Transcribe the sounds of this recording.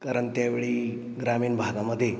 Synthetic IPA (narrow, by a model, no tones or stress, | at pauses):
kaɾəɳt̪jaʋeɭiː | ɡɾamiːɳbʱad̪aməd̪ʱːje